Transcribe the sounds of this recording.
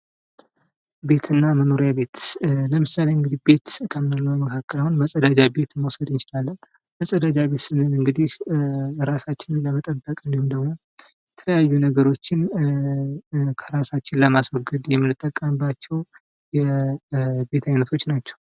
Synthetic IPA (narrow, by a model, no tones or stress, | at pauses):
be̞t̪ʰɨnːaməno̞ɾjabe̞t̪ləmɨsːaleɨŋɡɨd̪ihbe̞t̪kʰəmːnɨlːəwjməkʰakːəlawunbəsʼəd̪ad͡ʒabe̞t̪mowsəd̪ɨnt͡ʃɪlalːən | bəsʼəd̪ad͡ʒabe̞t̪sɨnɨnɨŋɡɨd̪ih | ɾasat͡ʃːɪnɨnləmət̪ʼəbːəkʼɨnd̪ihumnd̪əɡmojɛt̪ʰələjajːunəɡəɾo̞t͡ʃːɪn | kʰəɾasat͡ʃːɪnləmaswɔɡɨd̪jɛmːɨnɨt̪ʼːəkʼːəmɨbːat͡ʃːɛw | jɛ | be̞t̪ʰajnət̪ʰo̞t͡ʃːnat͡ʃːɛw